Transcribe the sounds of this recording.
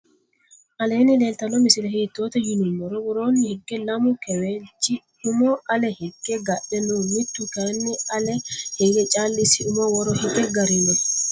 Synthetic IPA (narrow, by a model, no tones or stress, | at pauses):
ʔɐle̞ːnɪleːlt̪ɐnɔmɪsɪlɛɦɛt̪ːoːt̪ɛjɪnʊmːɔɾɔwɔɾoːnːɪhɛɡːɛlɐmʊkɛwet͡ʃːɪ | ʊmɔʔɐlɛhɛɡːɛɡɐɗɛnumɪt̪ːʊkɐnːɪɐlɛhɛɡɛt͡ʃʼaːlːɪsɪʊmɔwɔɾɔhɛɡɛɡɐɾɪnɛ